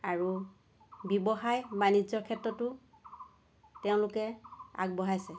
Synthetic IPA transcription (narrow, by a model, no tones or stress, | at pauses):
aɹu | bibɔxajbanid͡ʒɔɹkʰɛtɹɔtʊ | tɛʊ̃lʊkɛa̰ɡ̚bɔɦajsɛ